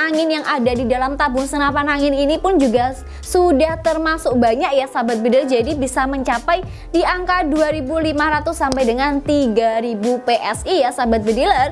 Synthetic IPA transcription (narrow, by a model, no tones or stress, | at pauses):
aŋɪnjaŋʔadadidalamt̪abʊŋsənapanaŋɪninipʊnd͡ʒuɡa | sudaht̪ərmasʊk̚baɲakjasabat̪̚bədilrd͡ʒadibisaməɲt͡ʃapaj | diʔaŋkaduaɾibulimaɾat̪ʊsːampajdəŋant̪iɡaɾibupeʔɛsijasabat̪̚bədilər